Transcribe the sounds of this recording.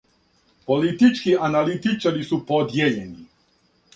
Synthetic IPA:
polit̪it͡ʃkianalit̪it͡ʃaɾisupod̪jeʎeni

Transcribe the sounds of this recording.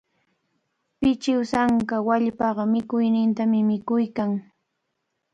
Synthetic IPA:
pɪt͡ʃɪwsaŋkawaʎpɑɢɑmɪkʊjnɪnt̪amɪmɪkʊjkaŋ

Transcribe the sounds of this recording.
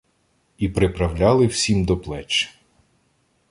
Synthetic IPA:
ipɾɪpɾɐwlʲɑlˠɪwsʲimd̪ɔplˠɛt͡ʃ

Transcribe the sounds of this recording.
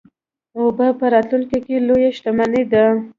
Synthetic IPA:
obəpəɾɑt̪luŋkikelojaʃʈ̪amaned̪a

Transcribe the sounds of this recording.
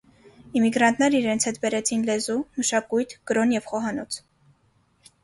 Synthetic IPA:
imiɡɾɑnt̪ʰnɛɾəiɾɛnt͡sʰhɛt̪bɛɾɛt͡sʰinlɛzuməʃɑkujt̪ʰɡ̥əɾɔnjɛvχɔɦɑnɔt͡sʰ

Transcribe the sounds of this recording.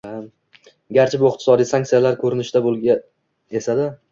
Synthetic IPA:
a | ɡʲaɾt͡ʃʰɪbʊɪq̚t̪ʰɪ̥sɒd̪ijsaŋkt̪ijalaɾkʰɵɾɪnɪʃd̪abolˠɡʲa | esad̪ɪ

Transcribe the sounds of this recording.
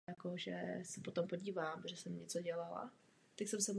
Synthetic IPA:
jakoʒɛ̰sɛpot̪ompoɟiːvaːmʒɛsɛmɲɛt͡soɟɛlala̰ | t̪aksɛmsɛm

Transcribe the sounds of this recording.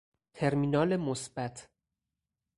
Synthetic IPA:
t̪ʰe̞ɾmiːnɒːlemosb̥æt̪ʰ

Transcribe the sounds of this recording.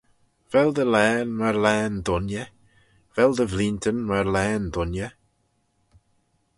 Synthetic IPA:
vɛld̪əlɛːnməɾlɛːnd̪ʊnjə | vɛlˠd̪əvlint̪ənməɾlɛːnd̪ʊnjə

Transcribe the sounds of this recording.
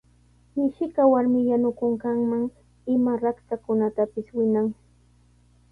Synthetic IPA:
mɪʃɪkawaɾmɪjanʊkʊŋkaŋmaŋ | ɪmaɾakt̪akʊnat̪apɪswɪnaŋ

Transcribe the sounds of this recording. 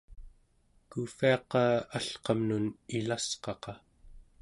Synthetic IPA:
kufiɑqɑːaɬqɑmnunilasqɑqɑ

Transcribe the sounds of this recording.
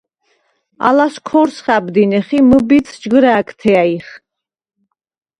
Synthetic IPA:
a̰laskʰɔɾsχabd̪inɛχiməbit̪sʰd͡ʒɡɾaːkʰt̪ʰɛaiχ

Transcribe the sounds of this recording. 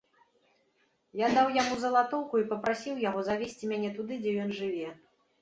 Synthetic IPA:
jad̪awjamuzɐlˠat̪ɔwkuipɐpɾasʲiwjaɣɔzavʲesʲt͡sʲimʲanʲɛt̪ud̪ɨd͡zʲɛjɔnʐɨvʲɛ

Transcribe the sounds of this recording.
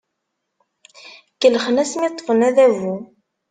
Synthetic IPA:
kːəlːχənæsmit̪ˤːəfənæðævu

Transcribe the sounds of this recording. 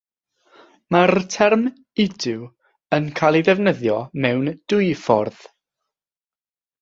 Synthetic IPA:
martʰɛrm | ɪdɪw | ənkʰajlˠiðɛvnəðjɔmɛwnd̥ʊjfɔrð̥

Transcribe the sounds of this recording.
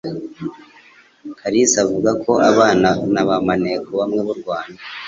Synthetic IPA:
kʰaɾisavuɡako̞ʔaβaːnanaβamanekuβamŋeβuɾɡwaːnda

